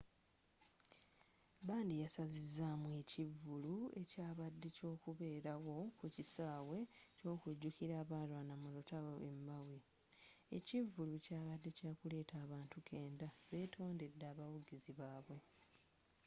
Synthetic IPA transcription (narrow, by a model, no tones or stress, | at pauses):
baːndijasazizːaːmwe̞ːcivːulue̞̰caːβadːe̞co̞ːkuβe̞ːɾawo̞kucisaːwe̞co̞ːkuɟːukiɾaːβaːlwaːnamulutaβoe̞mbawi | ḛcivːulucaːβadːe̞caːkule̞ːtʰaːβaːntukʰe̞ːndaβe̞ːtʰo̞ːnde̞dːaːβawuɡiziβaːβwe̞